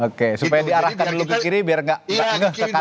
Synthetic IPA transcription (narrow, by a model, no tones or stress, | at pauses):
okesupajadiaɾahkanlukəkiɾibiarŋɡaʔʔŋɡaʔŋɡəhsəka